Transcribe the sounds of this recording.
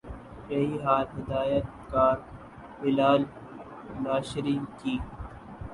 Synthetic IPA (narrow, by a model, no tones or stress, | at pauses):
jɐɦiːɦaːlɦɪd̪aːjət̪̚ | kaːɾ | bɪlaːl | naːʃɪɾiːnkiː